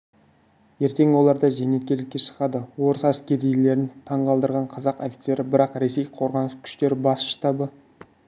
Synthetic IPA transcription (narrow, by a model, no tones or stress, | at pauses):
je̞ɾt̪e̞ŋwo̞lˠɑɾd̪ɑʒene̞t̪̚kʲe̞ɾlɪkʲːeʃə̥ʁɑd̪əwo̞ɾəsæskʲe̞ɾijle̞ɾɪnt̪ʰɑɴʁɑlˠd̪əɾʁɑɴqʰɑzɑqo̞fʲi̥t̪se̞ɾɪbɪɾɑqɾe̞se̞jqʰo̞ɾʁɑnəskʲʰʏ̥ʃt̪e̞ɾɪbɑsə̥ʃt̪ɑbə